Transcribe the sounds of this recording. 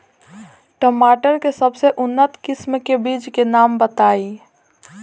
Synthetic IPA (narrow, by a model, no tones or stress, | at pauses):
ʈəmaːʈəɾkesəbseʔʊnːət̪kɪsmkebiːd͡ʒkenaːmbət̪aːi